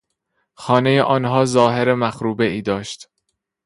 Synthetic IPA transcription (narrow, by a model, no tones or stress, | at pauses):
xɒːne̞jeʔɒːnɦɒːzɒːɦeɾemæxɾuːbe̞ʔiːd̪ɒːʃt̪